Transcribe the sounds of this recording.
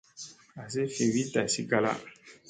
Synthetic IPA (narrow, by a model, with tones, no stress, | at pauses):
a˨s̬e˦fe˨wi˦ta˨si˦ɡa˦la̰˦